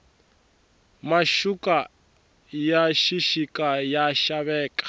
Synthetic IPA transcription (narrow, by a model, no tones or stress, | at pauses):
maʃukʼa | jaʃiʃikʼajaʃaβɛːkʼḁ